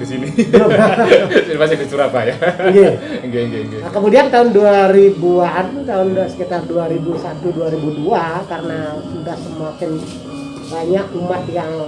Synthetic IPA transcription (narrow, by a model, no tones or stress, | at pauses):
kisinidoasinimasɪdit͡ʃuɾapajaŋɡeɡeŋɡeɡeəkəmudiant̪aʊnduaɾibuant̪aʊndasə̥kit̪arduaɾibusat̪uduaɾibuduakaɾənasudahsəmat͡ʃɪn | baɲakumat̪jaŋ